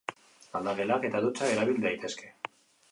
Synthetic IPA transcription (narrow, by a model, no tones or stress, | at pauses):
lald̪aɣelake̞t̪aðut͡sae̞ɾaβild̪ajt̪e̞ske̞